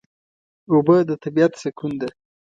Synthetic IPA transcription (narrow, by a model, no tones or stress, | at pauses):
obəd̪ət̪abiat̪sekund̪e